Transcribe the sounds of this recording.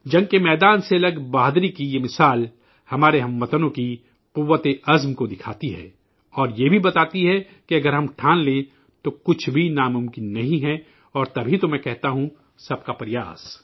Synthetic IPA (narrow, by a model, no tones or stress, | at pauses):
d͡ʒɐ̃ŋɡ̚kemɛːd̪aːnselɐɡbaːd̪ɾikijemɪsaːl | hɐmaːɾeɦɐmːət̪ənõki | quːʋːət̪eɐzmkod̪ɪkʰaːt̪iɦɛ̰ː | ɔːɾjebʱibɐt̪aːt̪iɦɛ | kiɐɡəɾɦɐmʈʰãːnlẽ | t̪okʊt͡ʃʰbʱinamʊ̃mkɪnːɐɦĩɦɛ | ɔːɾt̪ɐbʱit̪omɛ̃kɛɦt̪aɦũ | sɐb̚kapɾɪja̰ːs